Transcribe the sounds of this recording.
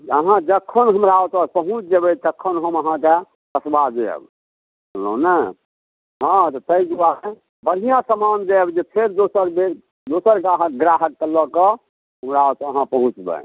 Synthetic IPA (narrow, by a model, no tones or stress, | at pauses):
əɦãd͡ʒəkʰːənɦəmɾaɔt̪ɔpəɦũt͡ʃd͡ʒebɛt̪əkʰːənɦəməɦãke | əsbad͡ʒeə̰b | bənlə̰ɦũnə | ɦãt̪ɔt̪əid͡ʒuae | bəɽ̤ijãsəmand͡ʒeəbd͡ʒepʰeɾd̪osəɾbe | d̪osəɾkaɦəkɡɾaɦəkːəlːɔkɔ | ɦəmɾaɔt̪əɦãpəɦũt͡ʃbə̰